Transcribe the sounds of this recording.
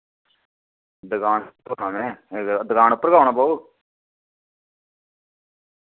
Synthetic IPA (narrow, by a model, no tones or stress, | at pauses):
d̪əɡaːnt̪onãːmɛ̃ːd̪əɡaːnpːəɾəɡaːʊnaːpaːu